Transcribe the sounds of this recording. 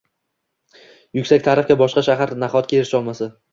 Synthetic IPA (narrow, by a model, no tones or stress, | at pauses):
jʊkʲsakʲt̪ʰaɾɪfkʲabɒʃqɑʃaɦaɾnaχɒt̪̚kʲaeɾɪʃɒlˠmasa